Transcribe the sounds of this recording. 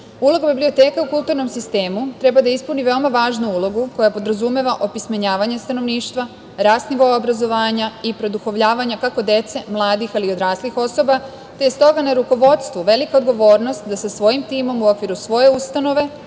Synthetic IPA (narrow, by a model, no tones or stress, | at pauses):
ulo̞ɡabiblio̞t̪e̞ːkaukulˠt̪uːɾno̞msist̪e̞ːmut̪ɾe̞bad̪aispuniʋe̞omaʋaːʒnuulˠo̞ɡuko̞japo̞d̪ɾazume̞ʋaʔo̞pismaɲaːʋaɲest̪ano̞ʋniːʃt̪ʋa | ɾaːsniʋoobɾazo̞ʋaːɲaipɾo̞d̪uxo̞ʋʎaːʋaɲakako̞d̪e̞t̪se̞mlˠaːd̪ixalio̞d̪ɾaːslixo̞so̞ba | t̪e̞jest̪o̞ɡanaɾuko̞ʋo̞t̪st̪ʋuʋe̞likao̞d̪ɡo̞ʋo̞ːɾno̞st̪d̪asasʋo̞jimt̪iːmo̞muo̞kʋiɾusʋo̞je̞ust̪ano̞ʋe̞